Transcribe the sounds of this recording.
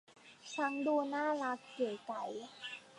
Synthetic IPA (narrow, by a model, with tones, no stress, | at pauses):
t͡ɕʰa˧˦˥ŋduː˧naː˥˩la˦˥k̚pɯ˨˩jka˨˩˦j